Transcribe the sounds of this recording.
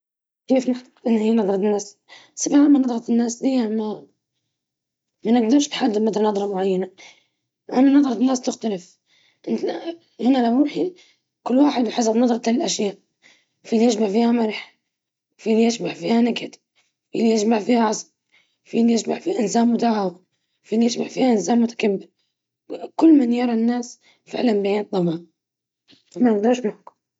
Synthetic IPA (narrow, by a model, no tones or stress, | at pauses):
keːfnɪħt̪ɑ̥qʔɪnːhiːnɑðˤɾˤɑt̪ɪnːaːs | sabʕamːanɑd̪ˤɾˤɑt̪ɪnːaːsd̪ɪjːama | manaɡ̚d̪ɑɾˤʃt̪ħad̪ːɪmad̪aɾnɑðˤɾˤɑmʊʕajːana | ʔananɑðˤɾˤɑnːaːst̪ɪxt̪alɪf | ʔɪnt̪a | hɪnalawɾuːħi | kʊlːwaːħɪd̪bħas̬abnɑðˤɾɑt̪ɪlʔaʃjaːʔ | filijɪʃmaʕfiːhamaɾˤħ | filijɪʃmaʕfiːhanaɡat̪ | fḭlijɪd͡ʒmaʕfiːhaʕɑsˤl | filijɪʃma̰ʕfihaʔɪnsaːmmʊd̪aːʕaw | filijɪʃmaʕfiːhaʔɪnzaːmmʊt̪ḁkamːɪl | kʊlːmanjɑɾˤɑnːaːs | fɪ̰ʕlanbajant̪̚d̪ˤɑmaːn | amanɡd̪aːʃmaħkʊ